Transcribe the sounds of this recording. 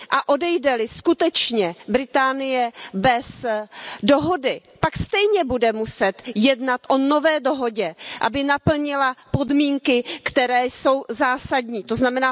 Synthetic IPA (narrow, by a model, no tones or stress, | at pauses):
ʔaʔo̞dɛjdɛlɪskut̪ɛt͡ʃɲɛbɾɪt̪aːnɪjɛbɛs | do̞ɦodɪpakst̪ɛjɲɛbudɛmusɛt̪jɛdnat̪ʔo̞no̞vɛːdo̞ɦo̞ɟɛʔa̰bɪnapl̩ɲɪlapo̞dmiːŋkɪkt̪ɛɾɛːso̞wzaːsadɲiːt̪o̞znamɛnaː